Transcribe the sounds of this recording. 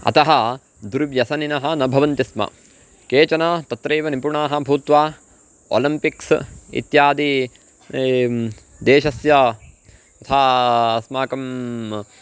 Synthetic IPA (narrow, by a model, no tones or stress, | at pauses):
ɐ̰t̪ɐɦɐ | d̪uɾʋjɐsɐninɐɦɐ̆nɐbʱɐʋɐnt̪ismɐ̰ | keːt͡ʃɐnɐt̪ɐt̪ɾeːʋɐnipuɳaːɦɐ̆bʱuːt̪ʋaː | o̰ːlimpiksḭt̪jaːd̪i | d̪eːʃɐsjɐ | t̪ɐt̪ʰaːɐsmaːkɐm